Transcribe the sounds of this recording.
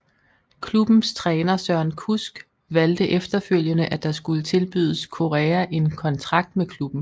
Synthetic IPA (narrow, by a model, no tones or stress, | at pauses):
kʰlub̥n̩st͡sʰʁɛːnɐsɶɐ̰nkʰusɡ̥ | ʋæld̥əʔefd̥ɐføl̰jənəʔæd̥ɑ̈sɡ̥ulət͡sʰe̝lb̥y̰ð̞ˠəskʰo̝ʁɛːæʔe̝nkʰɒ̽nt͡sʰʁɑ̈ɡ̥̚d̥mekʰlub̥n̩